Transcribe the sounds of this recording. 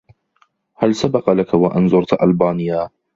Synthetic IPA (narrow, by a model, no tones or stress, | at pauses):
halsabɑqɑlakawaʔanzˤʊɾˤt̪ʔalbaːnɪjːaː